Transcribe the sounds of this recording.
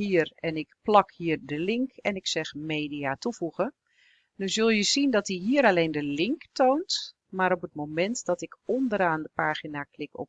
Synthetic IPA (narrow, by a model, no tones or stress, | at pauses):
ɦiərɛnɪkplɑkhiːərdəlɪŋkɛnɪksɛxmeːdiatuvuɣə | dyzølˠjəzindɔt̚diɦiːəɾalejndəlɪŋktownt | maɾɔpət̚mowmɛntdɔtɪkɔndəɾaːndəpaːɣinaklɪkɔ̰p